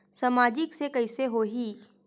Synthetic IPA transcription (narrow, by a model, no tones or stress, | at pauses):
sɐmaːd͡ʒɪksekɐɪseɦoɦi